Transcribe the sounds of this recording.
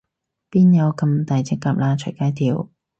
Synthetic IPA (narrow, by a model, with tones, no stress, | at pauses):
piː˥njɐ˨˧wkɐ˧mt̪aː˨˩jt͡sɪ˥kːaː˨˧p̚laː˧t͡ʃʰɵ˨˩jkaː˥jt̪iː˨˧w